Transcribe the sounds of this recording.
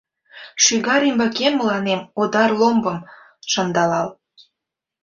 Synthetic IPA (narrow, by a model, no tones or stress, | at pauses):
ʃyɣɑɾimbɑkemːəlɑnemod̪ɑrlombɤm | ʃɤnd̪ɑlɑl